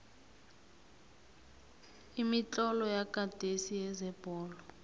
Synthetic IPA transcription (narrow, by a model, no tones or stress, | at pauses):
imit͡ɬʼɔlɔjaɡ̥ʱad̥ʱesijɛzɛb̥ʱɔːlɔ